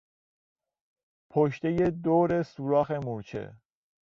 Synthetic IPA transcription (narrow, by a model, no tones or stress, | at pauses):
pʰoʃt̪ejed̪oːɾesuːɾɒːxemoɾt͡ʃʰḛ